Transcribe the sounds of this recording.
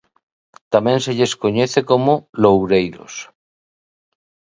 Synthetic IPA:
t̪amẽnseʎeskoɲeθekomolowɾejɾo̰s

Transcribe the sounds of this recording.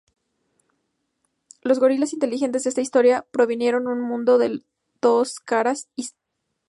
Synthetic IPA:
lo̞zɣo̞ɾilesint̪elixe̞nt̪ezðest̪aist̪o̞ɾjapɾo̞βinje̞ɾo̞nũnmũnd̪o̞ðe̞ | d̪̥o̞skaɾasi

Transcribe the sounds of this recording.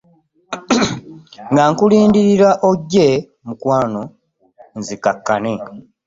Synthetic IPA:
ŋɡaŋkuliːndiɾiɾaʔoɟːe | mukwaːno̞ | nzikakːane

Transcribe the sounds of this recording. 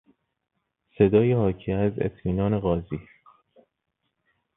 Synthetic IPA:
se̞d̪ɒːjehɒːcʰiæzḛt̪ʰmiːnɒːne̞ɣɒːziː

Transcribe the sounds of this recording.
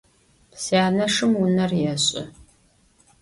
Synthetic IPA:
sijaːnɐʂɨmwʊnɐrjɛɕʼɪ̰

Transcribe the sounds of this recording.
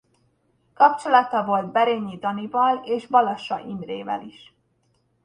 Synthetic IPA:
kɒpt͡ʃo̞lɒt̪ɒvo̞lt̪bɛɾeːɲːid̪ɒnivɒleːʃbɒlɒʃɒʔimreːvɛ̰liʃ

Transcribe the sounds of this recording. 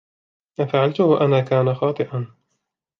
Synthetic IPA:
ʔafaʕalt̪ʊaʔanaːkaːnaxɑːt̪ˤɨʔan

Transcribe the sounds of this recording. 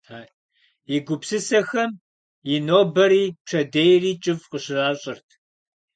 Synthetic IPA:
aː | ɪɡʷʊpsɨsɐxɐm | jɪnoːbɐɾiːʈ͡ʂʰɐdejriːt͡ʃʼɪvqəɕɪraːɕʼɪrtʰ

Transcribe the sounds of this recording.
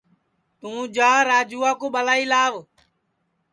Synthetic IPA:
t̪ũːd͡ʒaːɾaːd͡ʒuːaːkoːɓəlaːiːlaːʋ

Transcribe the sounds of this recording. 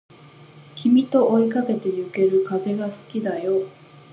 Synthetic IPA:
kʲimʲit̪o̞ʔːikake̞t̪e̞jɯ̟ke̞ɾɯ̟kaze̞ɡasɨ̥kʲid̪ajo̞

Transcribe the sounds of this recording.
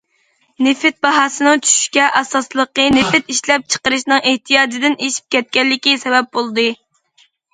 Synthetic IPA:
nɪfɪt̪̚bɑɦɑːsɨnɨŋt͡ʃʰy̥ʃy̥ʃkʲɛʔɑsɑslˠəqənɪfɪt̪iʃlɛp̚t͡ʃʰə̥qəɾɨʃnɨŋʔeht̪ʰijɑːd͡ʒɪd̪ɪneʃi̥p̚kʲʰɛt̪̚kʲɛlːɪkʲisɛbɛp̚bolˠd̪ɨ

